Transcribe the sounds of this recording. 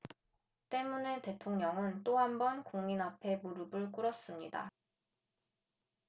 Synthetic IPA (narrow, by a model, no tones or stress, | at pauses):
t͈e̞mune̞te̞tʰoŋɲʌŋɯnt͈oɦambʌnkoŋminapʰe̞muɾɯbɯɭk͈uɾʌs͈ɯmɲida̰